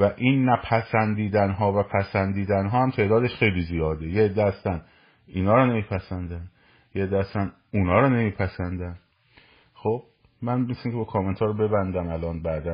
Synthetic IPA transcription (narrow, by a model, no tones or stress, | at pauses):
væʔiːnːæpʰæsænd̪iːd̪ænɦɒːvæpʰæsænd̪iːd̪ænɦɒːhæmt̪ʰe̞ʔd̪ɒːd̪e̞ʃxe̞jliːzijɒːd̪ejeed̪ːeæst̪æn | iːnɒːɾɒːne̞miːpʰæsænd̪æn | jeed̪ːeæst̪æn | unɒːɾɒːne̞miːpʰæsænd̪æn | xob̥̚ | mænmisiŋkʰebɒkʰoment̪ʰɒːɾobe̞bænd̪æmælɒːnbæd̪æ